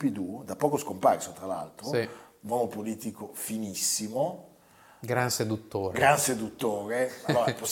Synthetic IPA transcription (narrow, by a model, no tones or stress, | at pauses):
pid̪ud̪apːɔːkoskomparsot̪ɾala̰lt̪ɾo | nwɔːmopoliːt̪ikofinisːimo | ɡɾansed̪ut̪ːoːɾɡɾansed̪ut̪ːoːɾealoːɾapos